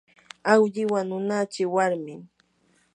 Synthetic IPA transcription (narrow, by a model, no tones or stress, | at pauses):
awʎɪwanʊnat͡ʃɪwaɾmɪŋ